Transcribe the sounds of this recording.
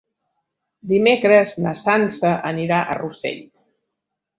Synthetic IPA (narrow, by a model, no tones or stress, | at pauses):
d̪imekɾəznəsansəʔəniɾaʔə̰rusɛ̰ʎ